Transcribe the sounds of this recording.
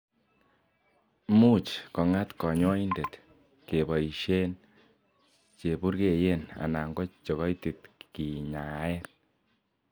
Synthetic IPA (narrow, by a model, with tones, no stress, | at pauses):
mu˦t͡ʃkɔ˨ŋa˦tkɔ˨ɲɔ˦i˦nde˨t | ke˨bɔ˨i˨ʃe˦n | t͡ʃe˨bu˦ɾke˨je˦na̰˨na˨ŋɡɔ˦t͡ʃɔ˨ɣɔ˦jti˨t̚ki˨ɲa˨ɛ˦n